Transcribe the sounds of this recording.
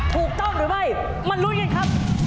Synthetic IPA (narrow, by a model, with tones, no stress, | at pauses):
t̪ʰuː˨˩k̚t̪ɔ˥˩mɾɯː˩˦ma˥˩j | ma˧nɾu˦˥t̚ŋa˧˩jkʰa˦˥p̚